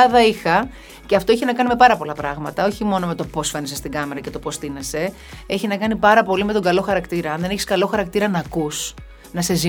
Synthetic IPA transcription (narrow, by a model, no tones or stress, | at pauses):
ðɐixɐ | ce̞ɐft̪o̞içenɐkɐnime̞pɐɾɐpo̞lɐpɾɐɣmɐt̪ɐo̞çimo̞nomet̪o̞po̞sfe̞nesest̪iɡɐme̞ɾɐce̞t̪o̞po̞st̪inese̞ | e̞çinɐkɐnipɐɾɐpo̞lime̞t̪o̞ŋɡɐlo̞xɐɾɐkt̪iɾɐɐnðe̞neçi̥skɐlo̞xɐɾɐkt̪iɾɐnɐkus | nɐse̞zi